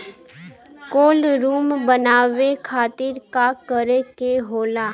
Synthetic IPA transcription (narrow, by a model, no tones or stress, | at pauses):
koːlɾuːmbənaːʋekʰaːt̪ɪɾkakəɾekeɦoːlaː